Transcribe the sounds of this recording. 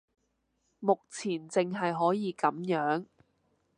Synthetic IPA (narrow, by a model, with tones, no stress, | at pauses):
mʊ˨k̚t͡sʰiː˨˩nt͡sɪ˨ŋɦɐ˨jɦɔː˨˥jiː˨˧kɐ˨˥mjœː˨˥ŋ